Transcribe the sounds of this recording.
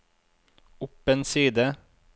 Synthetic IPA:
ʊpənsiːd̪ə

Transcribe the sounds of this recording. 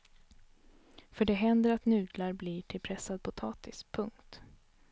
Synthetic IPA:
fœɖɛɦɛnd̪əɾat̪nʉ̟ːd̪laɾbliʈʰɪlpʰɾɛsːad̪̚pʰʊt̪ʰɑːt̪ɪspʰɵŋkt̪

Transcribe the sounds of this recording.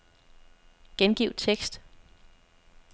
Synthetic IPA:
ɡ̥enɡ̥iʊd̥t͡sʰeɡ̥sd̥

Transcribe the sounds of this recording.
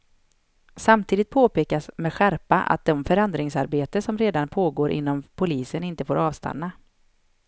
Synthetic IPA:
samt̪ʰiːd̪ɪt̪̚pʰoːpeːkasmeːd̪ɧæɾpaʔa̰t̪̚d̪ɔmfœɾɛnd̪ɾɪŋsaɾbeːt̪əsɔmɾeːd̪anpʰoːɡoːɾʔɪ̰nːɔmpʰʊliːsənɪnt̪əfoːɾɑːvst̪ʰa̰nːa

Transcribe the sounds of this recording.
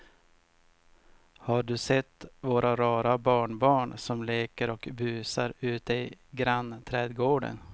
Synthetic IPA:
haɖɵsɛt̪ːvoːɾaɾɑːɾabɑːɳbɑːɳsɔmleːkəɾɔkbʉːsaɾʉ̟ːt̪̚d̪ɛjɡɾanːt̪ʰɾɛːd̪ɡoːɖə̰n

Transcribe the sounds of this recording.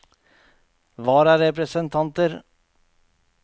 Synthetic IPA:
ʋɑːɾæɾɛpɾɛsənt̪ʰɑnt̪əɾ

